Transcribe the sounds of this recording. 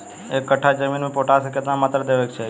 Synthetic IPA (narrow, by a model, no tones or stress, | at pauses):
ekːəʈʰːad͡ʒəminmẽpoʈasəkjət̪namat̪ɾəd̪eʋek̚t͡ʃʰe